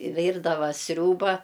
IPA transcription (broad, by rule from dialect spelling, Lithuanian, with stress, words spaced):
ˈʋʲiːrdɐʋɐ ˈsʲrʲuːbɐ